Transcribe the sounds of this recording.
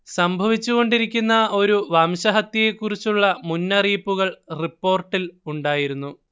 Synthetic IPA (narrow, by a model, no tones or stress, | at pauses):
sɐmbʱɐʋit͡ɕːuɣo̞ɳɖiɾikʲːunːɐo̞ɾuʋɐmɕɐɦɐt̪ːjɐjekːurit͡ɕːuɭːɐmunːɐriːpːuɣɐɭripːo̞ːrʈːiluɳɖaːjiɾunːu